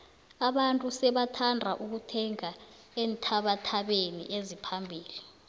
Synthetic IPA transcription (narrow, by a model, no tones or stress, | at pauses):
aɓantʼusɛɓatʰandʱaʔuk̬utʰɛŋa | eːntʰaɓatʰaɓenḭʔezipʰambʱiːli